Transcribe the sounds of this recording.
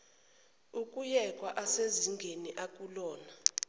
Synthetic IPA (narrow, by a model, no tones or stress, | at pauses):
ukʼujɛkʼwaʔaseziŋɡʱeniʔakʼulɔːna